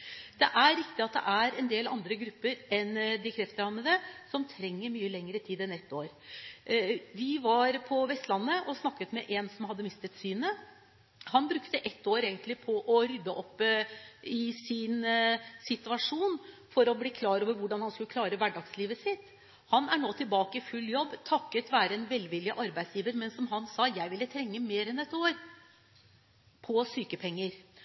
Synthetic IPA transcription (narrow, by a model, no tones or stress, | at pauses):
d̪̥ɛʔæɾɾɪkt̪ɪɑt̪̚d̪ɛ̰ʔæɾɛnd̪eːlɑ̰nd̪ɾəɡɾʉpːəɾɛnd̪ɪkʰɾɛft̪əɾhɑnmːəd̪ɛsɔmt̪ʰɾɛŋːəɾmyːəlɛŋːəɾət̪ʰiːd̪ɛnɛt̪ːoːɾ | ʋɪʋɑɾpʰɔʋɛst̪lɑnːəʔɔsnɑkːət̪mɛʔɛnsɔmhɑd̪ːəmɪst̪ət̪syːnə | hɑnbɾʉkt̪əʔɛt̪ːoːɾeːɡənt̪lɪpʰɔʔɔɾʏd̪ːəʔɔpː | ɪsɪnsɪt̪ʉɑʂuːnfɔɾɔbliːkʰlɑːɾoːʋəɾʋʊɖɑnhɑnskʉləkʰlɑːɾəʋæɖɑɡsliːʋəsɪt̪ | hɑnæɳoːt̪ʰɪlbɑːkəɪfʉlːjɔbːt̪ʰɑkːət̪ʋæːɾəɛnʋɛlːʋɪlːɪʔɑɾbæɪsjiːʋəɾmɛnsɔmɦɑnsɑjæɪʋɪlːət̪ʰɾɛŋːəmeːɾɛnɛt̪oːɾ | pʰɔsyːkəpʰɛŋːəɾ